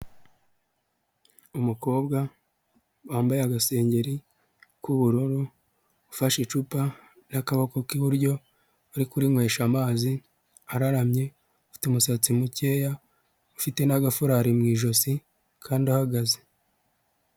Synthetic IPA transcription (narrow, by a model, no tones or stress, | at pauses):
umuko̞ːbɡa | waːmbajeaɡase̞ːɲɟe̞ɾi | kuβuɾuɾuː | faʃit͡ʃupa | nakaβakokiβuɾɟo̞ː | ɾikuɾimwe̞ːʃamaːzi | aɾaɾamɲe̞ | ufi̥tumusat͡simuce̞ːja | ufite̞naɡafuɾaɾimŋiːʒo̞si | kʰaːndiahaɡaze̥